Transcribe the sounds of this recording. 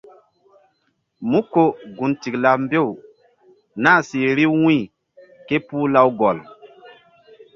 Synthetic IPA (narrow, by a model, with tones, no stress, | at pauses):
mu˦ko˨ɡu˨nti˨kla˨m˦be˦˨w | na˦˨si˨ɾi˦wĩ˦˨ | ke˦pu˦la˦wɡɔ˨l